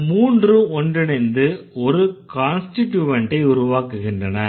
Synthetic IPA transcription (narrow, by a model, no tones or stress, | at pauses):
muːndrɯɔndrɯnɛnd̪ɯɔɾɯkaːnsʈɪʈːjuːʋɐɳʈɐɪʊɾʊʋaːkɯɣɪndrɐnɐ